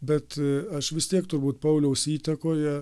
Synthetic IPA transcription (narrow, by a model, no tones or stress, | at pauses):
bʲɛt̪ɐʃʋʲɪst̪ʲiɛkt̪ʊrbuːt̪pɐʊlʲɛʊsiːt̪ɐkoːjɛ